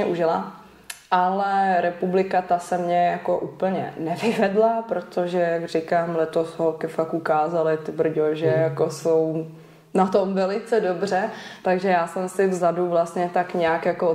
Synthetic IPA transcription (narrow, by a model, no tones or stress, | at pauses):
ɛʔuʒɪla̰ | ʔalɛɾɛpublɪkat̪asɛmɲɛjako̞ʔupl̩ɲɛ̰nɛvɪvɛdlapɾo̞t̪oʒɛjaɡr̝ɪkaːmlɛt̪osɦolkɪfakukaːzalɪt̪ɪbɾ̩ɟoʒɛjakosow | nat̪omvɛlɪt͡sɛdobr̝ɛt̪aɡʒɛjaːsɛmsɪvzaduvlast̪ɲɛt̪akɲɛakjako